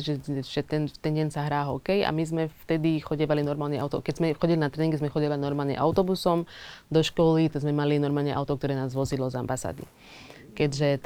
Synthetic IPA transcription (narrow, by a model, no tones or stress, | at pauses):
ʒɛʒɛt̪ɛnt̪ɛnɟɛnsaɦɾaːɦɔkɛja̰mizmɛft̪ɛd̪ixɔɟɛʋalinɔɾmaːlɲɛʔaʊt̪ɔ̰kɛɟzmɛxɔɟilinat̪ɾɛːniŋɡɛzmɛxɔɟiʋainɔɾmaːlɲɛ̰ʔa̰ʊt̪ɔbusɔmd̪ɔʃkɔlit̪ɔzmɛmalinɔɾmaːlɲɛʔa̰ʊt̪ɔkt̪ɔɾɛːnaːzʋɔzid̪lɔzambasa̰ːd̪ḭ | kɛɟʒɛt̪